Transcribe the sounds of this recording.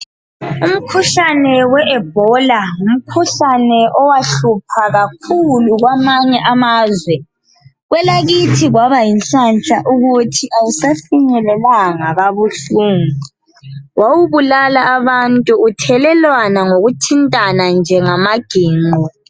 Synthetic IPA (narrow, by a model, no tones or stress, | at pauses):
um̩kʰuɬanɛwɛʔɛb̥̚ʱɔlaum̩kʰuɬanɛʔɔwaɬupʰaɣakʰuluɣwamaɲɛʔamaːzwɛ | ɣwɛlaɣitʰiɣwaβajinɬant͡ʃʼaʔuɣutʰiʔajisafiɲɛlɛlaŋaɣaβuɬuːŋu | wawuβulalaːβantʼuːtʰɛlɛlwanaŋoɣutʰintʼanand͡ʒʱɛŋamaɡ̥ʱiːŋ͡ǃɔ